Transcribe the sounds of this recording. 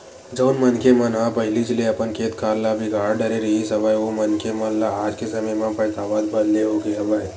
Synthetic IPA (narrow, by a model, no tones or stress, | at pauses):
d͡ʒəːnmɐnkemɐnɦapɐɦɪlit͡ʃɪleɐpənkʰeːt̪kaːɾlabʱɪɡʱaːɾɖɐɾeɾɐɦisɐbaːjomɐnkemɐnlaaːd͡ʒkesɐməjmãpɐɽt̪aːʋaːt̪bɐd̪leɦoːɡeɐbaːj